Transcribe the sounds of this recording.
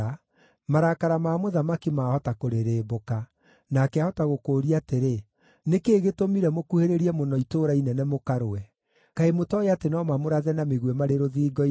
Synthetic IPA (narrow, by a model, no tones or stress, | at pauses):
a | maɾakaɾamaːmoðamakimahɔtakoɾeɾeːboka | nakɛahɔtaɣokoːɾiateɾe | nekeːɣetomiɾɛmokuheɾeɾiɛmonɔitoɾainɛnɛmokaɾoɛ | kaemotɔeatenɔmamoɾaðɛnameɣwɛmaɾeɾoðiːɡɔ